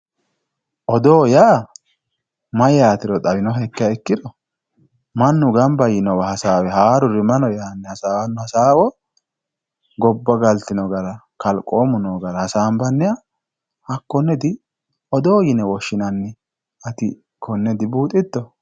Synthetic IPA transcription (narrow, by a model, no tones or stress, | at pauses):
ʔɔd̪oːjaː | mɐjaːt̪ɪɾɔt̪ʼɐbɪnɔhɛkːɪjɐɛkːɪd̪ɔ | mɐnːʊɡɐmbɐjɪnɔwɐhɐsaːwɛɦaːɾʊɾɪmɐnɔjaːnːɛhɐsaːwɐnːʊhɐsaːwɔ | ɡɔbːɐɡɐlt̪ɪnɔɡɐɾɐ | kɐlkʼoːmʊnɔɡɐɾɐhɐsaːmbɐnːɛja | hɐkːɔnːɛd̪ɪ | ʔɔd̪o̞ːjɪnɛwɔʃːɪnɐnːɪ | ɐt̪ɪ | kʰɔnːɛd̪ɪbuːt̪ʼːɪt̪ːɔ